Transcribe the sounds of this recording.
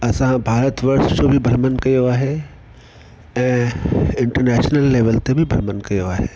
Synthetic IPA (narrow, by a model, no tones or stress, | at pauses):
ɐsãbʱaːɾət̪ʋɐɾsd͡ʑobʱibʱɐɾmənkɐjoaːɦe | ɛ̃ːɪ̃ɳʈəɾnɛːʃnəlːeːʋəlt̪ebʱibʱɐɾmənkɐjoaːɦeː